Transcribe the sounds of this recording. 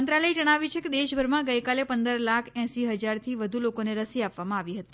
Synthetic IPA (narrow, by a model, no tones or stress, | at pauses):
ənt̪ɾaləid͡ʒəɽ̃aʋjut͡ʃʰeked̪eʃbʱəɾmãɡəjkalepənd̪əɾlakʰɛ̃siɦəd͡ʒaɾt̪ʰiʋəd̪ʱulokoneɾəsiapʋamãaʋiɦət̪i̥